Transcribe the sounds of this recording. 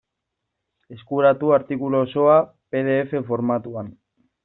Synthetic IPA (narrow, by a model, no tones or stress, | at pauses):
e̞skuɾat̪uaɾt̪ikuloːso̞a | pe̞ð̞e̞efe̞fo̞ɾmat̪uan